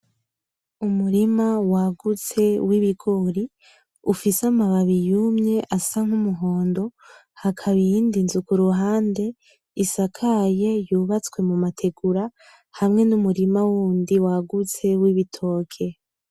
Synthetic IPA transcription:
umuɾimawaɡut͡se̞wiβiɡo̞ɾi | ufisamaβaβijumɲe̞ʔasaŋ̥humuɦo̞ːndo̞ | hakʰaβindinzukuɾuɦaːnde̞ | isakʰaje̞juːβat͡swe̞mumatʰe̞ɡuɾa | hamŋe̞numuɾimawuːndiwaɡut͡se̞wiβitʰo̞ːkʰe̞

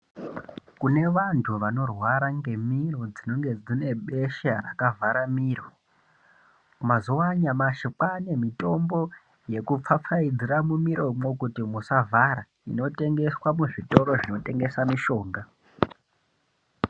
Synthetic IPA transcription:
kune̞ʋantʰuʋano̞rwaɾaŋɡe̞miro̞d͡zino̞ŋɡe̞d͡zine̞ɓe̞ʃara̰kavʱaɾamiːɾo̞ | mazowaɲamaʃikanemito̞mbo̞ | je̞kup͡fap͡faid͡ziramumiɾʔo̞mokutimusavʱaɾa | ino̞te̞ŋɡe̞swamuʐito̞ɾo̞ʐino̞te̞ŋɡe̞samiʃo̞ːŋɡa

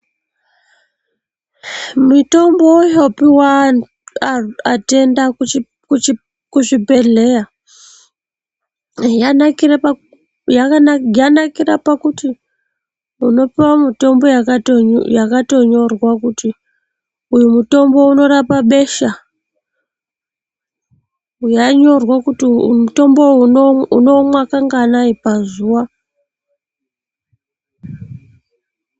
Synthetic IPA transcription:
mito̞mbojopiwa | ate̞nda | u | kuʐipe̞ɮe̞ja | janakir | jajanakirapakuti | uno̞pewamuto̞mbo̞jakatjakato̞ɲo̞rwakuti | ujumuto̞mbo̞uno̞ɾapaɓe̞ʃa | ujaɲo̞rwakutimuto̞mbo̞uuno̞mwakaŋɡanaipazuwa

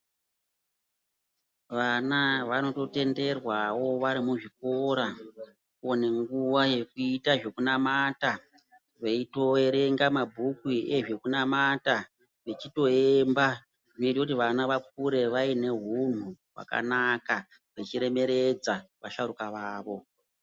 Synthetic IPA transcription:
ʋanaʋano̞to̞te̞nde̞rwawo̞ʋaɾimuʐik̚o̞ɾa | one̞ŋɡuʋaje̞k̚uitaʐe̞kunamata | ʋe̞ito̞eɾe̞ŋɡamabʱukwie̞ʐekunamata | ʋe̞t͡ʃito̞emba | ʐino̞itekut̬iʋanaʋak̚uɾe̞ʋaine̞ɦun̤uwa̰ka̰naka | ʋet͡ʃiɾe̞me̞ɾe̞d͡zaʋaʃaɾukaʋaːʋo̞

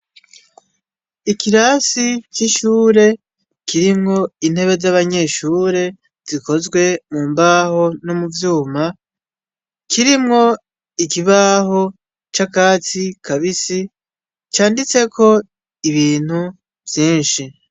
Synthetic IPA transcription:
ikiɾasit͡ʃiʃuːɾe̞ | kiɾimŋo̞in̥he̞βe̞zaβaɲe̞ʃuːɾe̞ | z̥iko̞zɡwe̞muːmbaho̞nomuvjuːma | kiɾimŋo̞ | ikiβaːɦo̞ | t͡ʃakaːt͡sikʰaβisi | t͡ʃaːndit͡se̞kʰo̞ | iβiːn̥hu | v̥jiːnʃi

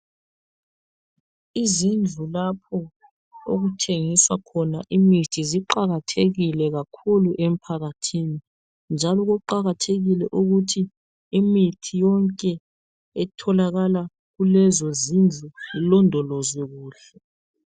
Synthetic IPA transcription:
izind͡ɮʱulapʰɔ | o̰ɣutʰeŋiswakʰɔnaʔimitʰiziǃaɣatʰeɣilɛɣakʰuluʔem̩pʰaɣatʰini | nd͡ʒʱalɔɣɔǃaɣatʰeɣilɛʔuɣutʰiː | mitʰijɔŋkʼɛ | ɛtʰɔlaɣala | ɣulɛzɔzind͡ɮʱuilɔndʱɔlɔzɛɣuːɬɛ

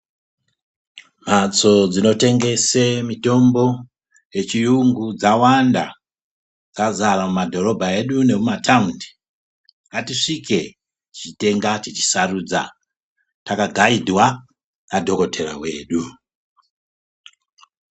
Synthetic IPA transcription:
m̤at͡so̞d͡zino̞te̞ŋɡe̞semito̞mbo̞ | je̞t͡ʃijuŋɡud͡zawanda | d͡zazaramumadʱo̞ro̞bʱae̞ɗune̞mumataundi̥ | ŋɡatiʂike̞ | t͡ʃit͡ʃite̞ŋɡat͡ʃit͡ʃi̥sarud͡za̰ | takaɡʱaidʱwa | nadʱo̞ko̞tʰe̞ɾa̰we̞̰ːɗu

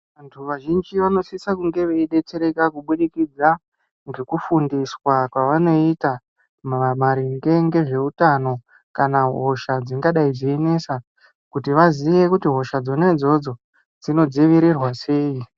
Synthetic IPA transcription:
ʋantʰuʋaʒind͡ʒiʋano̞sisakuŋɡe̞ʋeiɗe̞t͡se̞ɾe̞kakuɓuɗikid͡za | ŋɡe̞kufundiswakwaʋano̞ita | mʋamaɾiŋɡe̞ŋɡe̞ʐe̞utano̞ | kanaɦo̞ʃad͡ziŋɡaɗaid͡ziene̞sa | kutiʋaziʋe̞kutiɦo̞ʃad͡zo̞ned͡zo̞d͡zo̞ | d͡zino̞d͡ziʋiɾirwase̞ːi

